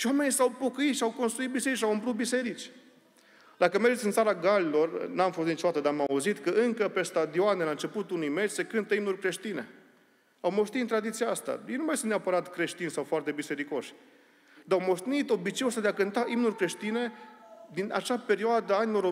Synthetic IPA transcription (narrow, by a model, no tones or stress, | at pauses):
ʃiwame̞nisawpo̞kəit̪ʃiawko̞nst̪ɾuit̪bise̞ɾit͡ʃawɨmplut̪̚bise̞ɾit͡ʃʲ | d̪akəme̞rd͡ʒet̪iɨnt̪saɾaɡalilo̞rnamfost̪it͡ʃod̪at̪əd̪amauzit̪kəɨŋkəpe̞st̪ad̪ioanelaɨnt͡ʃe̞put̪unujme̞t͡ʃʲse̞kɨnt̪əimnurʲkɾe̞ʃt̪ine̞̰ | awmo̞ʃt̪it̪ɨnt̪ɾad̪it̪sijaast̪a̰jejnumajsɨnneapəɾat̪kɾe̞ʃt̪insawfoart̪e̞bise̞ɾiko̞ʃʲ | d̪awmo̞ʃt̪enit̪o̞bit͡ʃejost̪ad̪eakɨnt̪aʔimnurʲkɾe̞ʃt̪ine̞d̪ina̰t͡ʃape̞ɾioad̪əanilo̞ɾo